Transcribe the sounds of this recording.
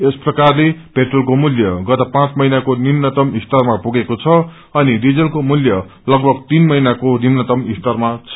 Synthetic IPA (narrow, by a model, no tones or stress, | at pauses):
esprʌkarlepeʈrolkomuljʌɡʌt̪ʌpãt͡smʌinakonimnʌt̪ʌmist̪ʌrmapuɡekot͡sʰʌ | ʌniɖid͡zʌlkomuljʌ | lʌɡbʱʌɡ̚t̪inmʌinakonimnʌt̪ʌmist̪ʌrmat͡sʰʌ